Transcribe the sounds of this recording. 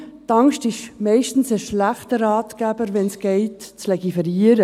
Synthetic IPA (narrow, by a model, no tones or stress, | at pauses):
t̪ɑŋʃtɪʃmɛɪʃtn̩səʃlæχtəɾɑːtɡ̥æb̥əɾʋɛnsɡ̥ɛɪtt͡slɛɡifɛɾiːəɾə